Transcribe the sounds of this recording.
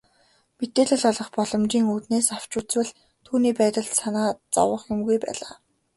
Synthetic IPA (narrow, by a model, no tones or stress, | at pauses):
met̪eːɮɘ̆ɮɔɮɞ̆χpɔɮɞ̆mt͡ɕiːŋuːt̪neːsaw̥t͡ɕuːt͡swɘ̆ɮ | t̪ʰuːniːpæːt̪ə̆ɮt̪sanaːt͡sɔ̰wə̆χjʊmɡujpæ̰ːɮaː